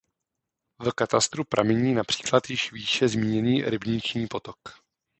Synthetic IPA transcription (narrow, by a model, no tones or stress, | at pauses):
vkat̪ast̪ɾupɾʔa̰mɛɲiːnapr̝̥i̥ːklat̪jɪʃviːʃɛzmiːɲɛniːɾɪbɲɪt͡ʃɲiːpo̞t̪ok